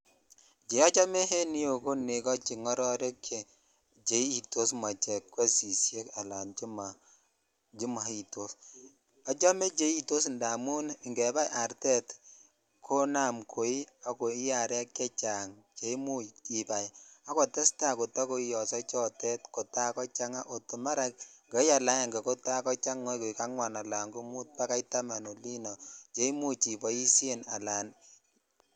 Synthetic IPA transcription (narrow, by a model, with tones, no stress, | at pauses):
t͡ʃe˨ɔ˦t͡ʃɔ˦mɛ˦he˦ni˦jo˨ko˦ne˨kɔ˦t͡ʃi˨ŋɔ˦ɾɔ˦ɾe˦kje˨ | t͡ʃe˨˦i˨to˦sma˨t͡ʃɛ˨kːwɛ˦si˨sje˦ka˨la˨nd͡ʒi˦ma˨ | d͡ʒi˦ma˨i˨to˦s | ɔ˦t͡ʃɔ˦mɛ˦t͡ʃe˦i˦to˦s̬nda˨mu˦n˨ŋɡɛ˨ba˦jʔa˨ɾtɛ˦t | kʰo˦na˨mkʰo˨i˦a˨ko˨i˦ja˨ɾɛ˦kːɛ˦t͡ʃa˨ŋ | t͡ʃe˨i˦mu˦i˨pa˨ja˦kɔ˨tɛ˦sta˦˨ko˨ta˦ko˦i˦jɔ˨sɔ˦t͡ʃɔ˦tɛ˦tkɔ˨ta˦kɔ˦t͡ʃa˦ŋa˦ʔo˨tu˨ma˦ɾa˨kŋɡɛ˨˦ja˨la˨˦ja˨ŋɡe˨ko˦ta˦kɔ˦t͡ʃa˦ŋːɔ˦ko˨i˨ka˦ŋwa˨na˨la˨ŋɡo˦mu˦t̚pa˦ka˦ita˦ma˨no˨li˦nɔ˨t͡ʃe˨˦i˦mu˦t͡ʃi˨bɔ˨i˦se˦na̰˨la˨n